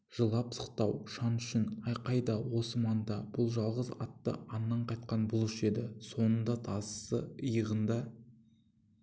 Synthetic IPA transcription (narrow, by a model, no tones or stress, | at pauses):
ʒ̥əlˠɑpsə̥qt̪ɑwʃɑnʏʃɪnɑjqɑjd̪ɑwo̞səmɑnd̪ɑb̥ʊlˠʒɑlˠʁəzɑ̰t̪ːə̰ɑnːɑɴqʰɑjt̪̚qɑnbʊlˠɪʃe̞d̪ɪso̞nənd̪ɑt̪ʰɑssə̰əjəʁənd̪ɑ